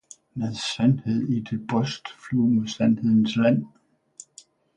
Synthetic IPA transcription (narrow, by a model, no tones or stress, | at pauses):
meðˠsænhe̝ð̞̰ˠid̥e̝b̥ʁɔsd̥fluːmesænhe̝ð̞̰ˠn̩slæn̰